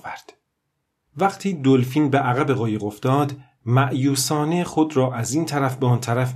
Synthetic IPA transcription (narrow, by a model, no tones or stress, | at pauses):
væɾd̪̥ | væɡt̪ʰiːd̪olfiːnbeʔæɣæbe̞ɣɒːjeɣo̞fd̪ɒːd̪ | mæʔjuːsɒːnexod̪ɾɒːʔæziːnt̪ʰæɾæfbeɒːnt̪ʰæɾæf